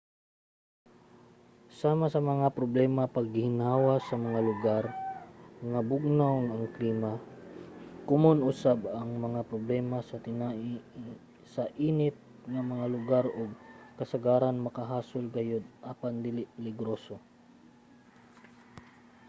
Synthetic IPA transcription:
saːmasɐmɐŋapɾoblɛːmapɐɡ̚ːɪhɪnaːwasɐmɐŋalʊɡaɾ | ŋabʊɡ̚nawŋɐŋkliːma | kʊmonʔʊsabɐŋmɐŋapɾoblɛːmasɐt̪ɪnaʔi | sɐʔiːnɪt̪̚ | ŋɐmɐŋalʊɡaɾʔoɡ̚kɐsɐɡaːɾanmɐkɐɦaːsolɡɐjod̪̚ʔaːpand̪ɪlɪlɪɡɾoso

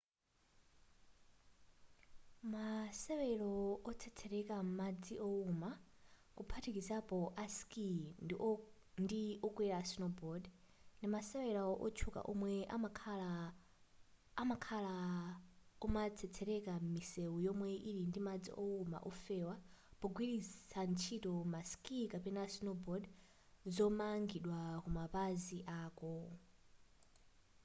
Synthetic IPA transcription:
masɛwɛɺɔɔt͡sʰɛt͡sʰɛɾɛkʼamad͡ziʔɔuma | kupʰatʰikizapɔʔaskʼi | ndiɔkʼwɛɾasinɔbɔd | ndimasɛwɛɺaʔɔt͡ʃʰukʼa̰ʔɔmwɛ | makʰala | kumat͡sʰɛt͡sʰɛɾɛkamiseujɔmwɛʔiɾindimad͡zḭʔɔuma̰ʔɔfɛwapɔɡwiɾisant͡ʃʰitɔmaskikapɛnasinɔbɔd | zɔmaŋɡiɗwakumapaziʔaːkɔ

